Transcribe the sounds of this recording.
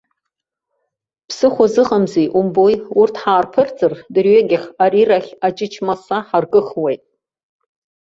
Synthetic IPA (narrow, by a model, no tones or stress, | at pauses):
pʰsɨχʷazɨqʼamzejʔumbojurtʰħaːrpʰɨrt͡sʼɨrdɨrɥeɡʲɪχʲariraχʲat͡ʃʼɪt͡ʃʰmasaħarɡɨχwejtʼ